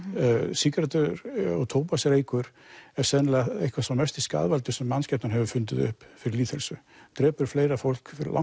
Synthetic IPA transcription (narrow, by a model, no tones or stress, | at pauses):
siːkɾat̪ʏɾɔ̰ɣt̪ʰoːwpasɾejkʏɾ̥ | ɛɾ̥sɛnlaḛhkʰvḁsamɛst̪iska̰ðvalt̪ʏsɛmːanscɛp̚nanɦɛvʏfʏnt̪ɪðʏ̰hpfɪɾɪɾliːt̪hɛlsʏ | t̪ɾɛːpʏɾ̥fleːjɾafowl̥kfɪɾɪɾla̰